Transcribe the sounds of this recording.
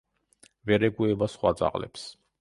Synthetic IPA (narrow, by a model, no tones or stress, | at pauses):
vɛɾɛɡuɛbasχwad̪zʼa̰qʼlɛ̰ps